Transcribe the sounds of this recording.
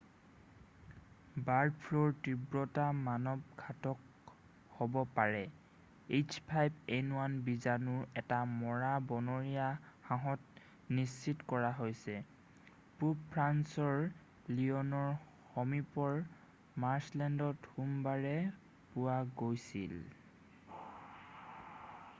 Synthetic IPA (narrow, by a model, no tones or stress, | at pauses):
baɹdpʰloɹtibɹɔtamanɔb̚ɡʰʱatɔk̚ | hobɔpaɹɛ | et͡ʃpʰajbenuwanbizanʊɹɛtamɔɹabɔnɔɹiahãɦɔt̚ | nisːitkɔɹaɦojsɛ | pupʰɹansɔɹ | liɔnɔɹ | xɔmipɔɹ | maɹslɛndɔthumbaɹɛ | pʊwaɡojsḭl